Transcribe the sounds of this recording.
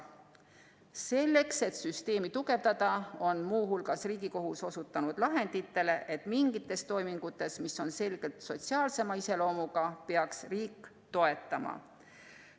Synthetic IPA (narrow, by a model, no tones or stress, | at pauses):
se̞lːe̞kse̞t̪syst̪e̞ːmit̪uɡ̥e̞vd̪ɑd̪̥ɑo̞nmuːɦulɡ̥ɑsriːɡ̥iko̞ɦuso̞sut̪ːˑɑnud̪̥lɑɦe̞nd̪̥it̪ːe̞le̞ʔet̪miŋɡ̥it̪ːˑe̞st̪o̞jmiŋɡ̥ut̪ːˑe̞smisːo̞nse̞lɡ̥e̞lt̪so̞t̪siɑːlse̞mɑise̞lo̞ːmuɡ̥ɑpe̞ɑksriːkːˑ | t̪o̞e̞t̪ːˑɑmɑ̰